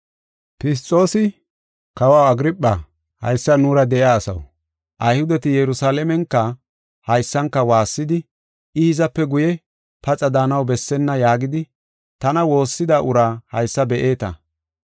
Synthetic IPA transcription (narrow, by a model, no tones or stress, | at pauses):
pɪs̬t̪ʼːo̞ːsɪ | kɐwawɐɡɾɪpʼːɐ | hɐ̰jsːɐnuːɾɐd̪ɛʔjaːsɐ̰w | ʔɐjhʊd̪ɛt̪ɪjɛɾʊsaːlɛmɛŋkːɐ | hɐjsːɐŋkːɐwaːsːɪd̪ɪ | ɪhɪzɐpːɛɡʊjɛ | pɐt͡sʼɐd̪aːnɐwbɛsːɛnːɐjaːɡɪd̪ɪ | t̪ɐnɐwo̞ːsːɪd̪aːʔʊɾaːhɐjsːɐbɛʔeːt̪ɐ̰